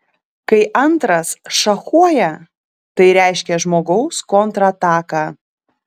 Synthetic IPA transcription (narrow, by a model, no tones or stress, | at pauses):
kɐɪʔɐnˑt̪ɾɐsʃɐxuɔjɛ | t̪ɐɪɾʲæˑɪʃʲkʲɛʒmoːɡɐʊskont̪ɾɐt̪ɑːkɑː